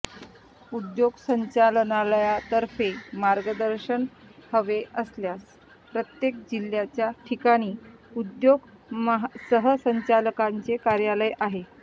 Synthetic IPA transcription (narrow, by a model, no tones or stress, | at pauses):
ud̪joɡsəɲt͡ɕalənaləjat̪əɾfemaɾɡəd̪əɾɕən | həʋeʔəsljas | pɾət̪jek̚d͡ʑiljat͡ɕjaʈʰikaɽ̃iːud̪joɡɦsəɦəsəɲt͡ɕaləkaɲt͡sekaɾjaləjʔaɦe